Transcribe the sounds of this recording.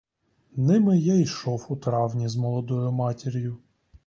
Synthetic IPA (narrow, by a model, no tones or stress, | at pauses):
nɪmɪjaiʃɔwʊt̪ɾɑwnʲizmɔlˠɔd̪ɔjʊmɑtʲɪɾʲjʊ